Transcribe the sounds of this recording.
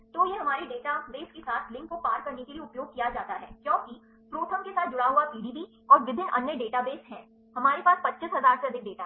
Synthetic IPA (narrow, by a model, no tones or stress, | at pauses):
t̪ojeɦɐmaːɾiɖeːʈabeːskesaːt̪ʰlɪ̃ŋkːopaːɾkɐɾnekelieʊpjoːɡ̚kijad͡ʒaːt̪aɦɛ̰ːkjõːki | pɾoːʈ̪ʰəmkesaːt̪̚d͡ʒʊɽaɦuapiːɖiːbi | ɔːɾʋɪb̪ʱɪnʔɐnjəɖeːʈabeːsɦɛ̃ː | ɦɐmaːɾepaːspɐtːʃɪsɦɐzaːɾseɐd̪ʱɪk̚ɖeːʈa